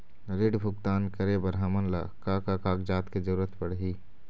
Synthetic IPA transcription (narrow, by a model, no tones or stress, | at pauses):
ɾɪɖbʱʊk̚t̪aːnkəɾebəɾɦaːmənləkaːkakaːkd͡ʒaːt̪ked͡ʒəɾuːɾət̪pəɽɦiː